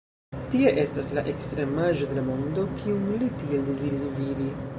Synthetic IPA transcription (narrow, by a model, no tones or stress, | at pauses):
tie̞ʔe̞staslaʔe̞kstɾe̞maʒo̞de̞lamondo̞kʰiumlitie̞ldeziɾisvidi